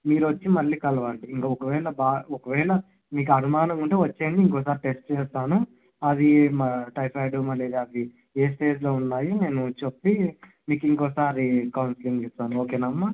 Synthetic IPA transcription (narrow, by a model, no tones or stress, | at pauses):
miːɾuʋɐt͡ʃːimɐlːiːkɐlɐʋaːɳɖiːŋkaɔkɐʋɛːɭɐbaːɔkɐʋɛːɭɐ | miːk̬uɐbʱimaːnɐmuɳʈeːʋɐt͡ʃːe̞ːɳɖiːŋkɔːs̬aːɾiʈe̞sʈt͡ʃɛːst̪aːnu | ɐd̪imɐʈɐjpʰɐjɖumɐleːd̪iɐd̪i | eːs̬ʈe̞ːd͡ʒlo̞ːunːaːjine̞ːnut͡ʃepːi | miːkiŋkɔːsaːɾikɐwnsliŋɡist̪aːnuo̞ːke̞ːnɐmːɐ